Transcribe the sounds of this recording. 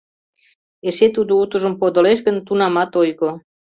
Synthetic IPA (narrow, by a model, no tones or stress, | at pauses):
eʃet̪ud̪out̪ə̆ʒə̆mpod̪ŏleʃ̬ɣə̆nt̪unɑmɑt̪ojɣo